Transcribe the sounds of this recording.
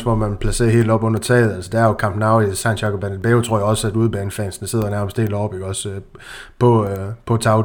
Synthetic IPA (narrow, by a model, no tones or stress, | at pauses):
smɒ̽mænpʰlæse̝̰ːɐɦe̝̰ːld̥ɒ̽b̥ɔ̽n̰ɐt͡sʰɛ̰ːð̩ˠælsəd̥ææɐjokʰɑ̈mb̥nɑ̈ʊ̰isændjɑ̈ɡɒb̥ænlb̥eːʊt͡sʰo̝ɐ̰jɒ̽sæd̥uð̞ˠb̥æːnfɛ̰nsn̩̥se̝ð̞̰ˠɐnæɐməsd̥he̝̰ld̥ɒːb̥eɡ̥ɒ̽sø | pʰɒ̽pʰɒ̽t͡sʰɑ̈ʊ